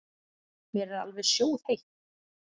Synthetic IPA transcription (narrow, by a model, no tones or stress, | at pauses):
mjɛɾɛɾa̰lvɛðsjoːwð̥hejht̪